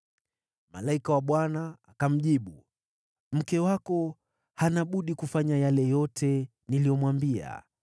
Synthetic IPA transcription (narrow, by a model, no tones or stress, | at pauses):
ma̰laikawaɓwanaːkam̩ʄiɓu | m̩kɛwakɔ | hanaɓuɗikufaɲajalɛjɔtʰɛ | nilijɔmwambia̰